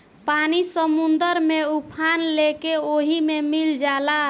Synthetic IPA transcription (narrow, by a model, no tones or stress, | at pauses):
panisəmund̪əɾmeupʰanlekeoɦimemild͡ʒala